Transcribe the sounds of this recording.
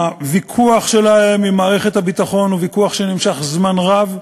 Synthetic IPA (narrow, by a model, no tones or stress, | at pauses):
avikʰuaχʃe̞lahe̞mimaːʁeχet̪habit̪aχo̞nuvikuaχʃenimʃaχzmanʁav